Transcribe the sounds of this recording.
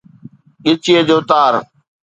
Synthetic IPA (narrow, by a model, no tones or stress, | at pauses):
ɠɪt͡ʃɪeːd͡ʑoːt̪aːɾ